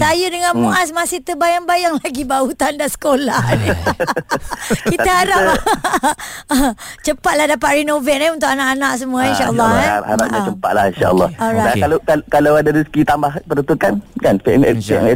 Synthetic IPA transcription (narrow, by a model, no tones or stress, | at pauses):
sajudəŋanmuʔas̬masiht̪əbajaŋbajaŋlaɡibaut̪andansə̥kolan | kitt̪əhaɾap | t͡ʃəpat̪̚lahdapat̪̚ɾinovɛt̪̚niunt̪ʊkanaʔanãʔs̬əmũainʃaʔəlːɔɛhaɾap̚ɲãt͡ʃəmpa̰ʔ̪̚la̰hinʃa̰ʔə̰lːɔ̰hɔɾajdakalakakalawadadisə̥kit̪ambahpəɾənt̪ukankanpɛmɛ̰ɛ̰ɛ